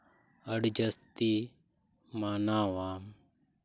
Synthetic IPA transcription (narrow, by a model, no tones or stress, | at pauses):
əɽd͡ʒəst̪i | maːnaːwaːm